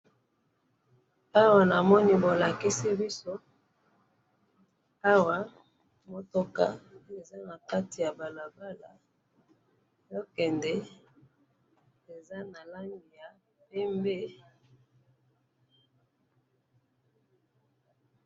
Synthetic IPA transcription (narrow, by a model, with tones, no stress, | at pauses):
a˦wa˨na˨mɔ˦ni˦bo˨la˨ki˦si˦bi˦so˦ | a˦wa˦ | mo˨to˦ka˦e˨za˦na˨ka˦ti˨ja˨ba˨la˨ba˦la˨ | jo˦kɛ˨ndɛ˦ | e˨za˦na˨la˦ŋɡi˨ja˨ | pɛ˦mbe˦